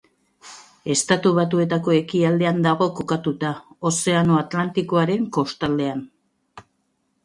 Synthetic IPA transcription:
e̞st̪at̪uβat̪ue̞t̪ako̞e̞kiald̪e̞and̪aɣo̞kokat̪ut̪aose̞ano̞at̪lant̪iko̞aɾe̞ŋko̞st̪ald̪e̞an

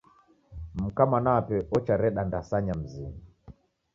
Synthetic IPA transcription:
m̩kamanaapɛʔɔt͡ʃaɾɛɗandasaɲam̩zini

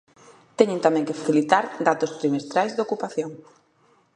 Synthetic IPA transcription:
t̪ɛɲɪ̃nt̪amɛ̃ŋkɪfaθilit̪aɾd̪at̪ʊst̪ɾimest̪ɾajzðokupaθjoŋ

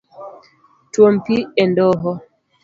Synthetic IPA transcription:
twompiɛndɔɦɔ

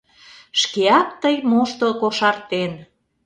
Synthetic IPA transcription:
ʃkeɑk̚t̪əjmoʃt̪okoʃɑrt̪en

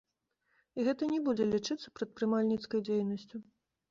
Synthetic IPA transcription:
iɣɛt̪ɐnʲɛbud͡zʲɛlʲit͡ʂɨt̪sːɐ̥pɾɐt̪̚pɾɨmalʲnʲit̪skɐjd͡zʲejnɐsʲt͡sʲu

